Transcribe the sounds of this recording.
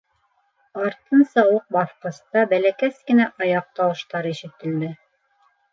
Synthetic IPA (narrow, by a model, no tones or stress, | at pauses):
ɑɾt̪ɤnsɑwɤq̚bɑθqɤ̆st̪ɑbælækæskɘ̆næʔɑjɑq̚t̪ɑwɤ̆ʃt̪ɑɾiʃɘ̆t̪ɘ̆ld̪ɘ